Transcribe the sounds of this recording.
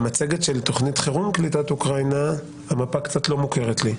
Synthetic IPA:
mat͡seɡetʃe̞lt̪o̞χnit̪χeʁumklitat̪ukʁajna | amapakt͡sat̪lo̞muke̞ʁet̪li

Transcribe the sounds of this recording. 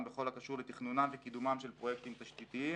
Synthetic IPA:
mbeχo̞lakaʃuʁlet̪iχnunamvekid̪umamʃe̞lpʁojek̚t̪imt̪aʃt̪it̪ii

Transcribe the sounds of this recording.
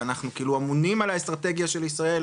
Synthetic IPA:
anaχnukiiːluamunimalaestʁat̪e̞ɡjaʃe̞lisʁae̞l

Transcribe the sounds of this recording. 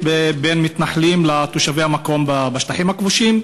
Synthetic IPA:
bebenmit̪naħlimlat̪oʃavejhamako̞mbabaʃtaħimakvuʃim

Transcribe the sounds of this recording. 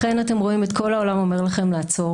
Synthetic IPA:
e̞nate̞mʁo̞imet̪kʰo̞laolamo̞me̞ʁlaχe̞mlaːt͡so̞

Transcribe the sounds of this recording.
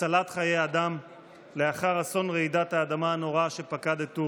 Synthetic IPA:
alat̪χajejad̪am | le̞aχaʁaso̞nʁeidat̪haːd̪amaːno̞ʁaʃepakad̪et̪u

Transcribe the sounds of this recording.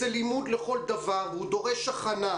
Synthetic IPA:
elimud̪leχo̞ld̪avaʁvehud̪o̞ʁe̞ʃaχana

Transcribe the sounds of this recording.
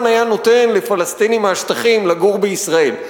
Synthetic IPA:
najano̞t̪e̞nlefalast̪inimaːʃt̪aχimlaɡuʁbeisʁael

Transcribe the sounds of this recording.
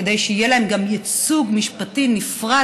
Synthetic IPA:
edejʃeijelaemɡamjet͡suɡmiʃpatinifʁa

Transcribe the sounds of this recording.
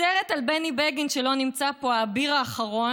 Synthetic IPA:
eʁetalbenibeɡinʃelo̞nimt͡sapo̞abiʁaːχaʁo̞

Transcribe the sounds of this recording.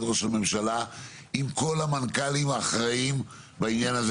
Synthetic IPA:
dʁoʃelme̞mʃala | imko̞lamankalimaːχʁaim | bainjanaz

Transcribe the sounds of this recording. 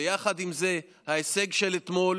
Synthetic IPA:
ejaχad̪imze̞ | haese̞ɡʃe̞let̪mo̞l

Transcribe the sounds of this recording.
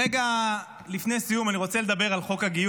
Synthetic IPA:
eɡa | lifne̞jsijumaniʁo̞t͡seled̪abe̞ʁalχo̞khaɡiju

